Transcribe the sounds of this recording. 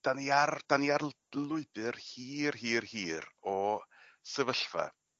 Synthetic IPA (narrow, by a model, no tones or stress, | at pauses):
d̥aniard̥aniar | lˠʊɨbɨrhiːrhiːrhiːrɔ | səvəɬva̰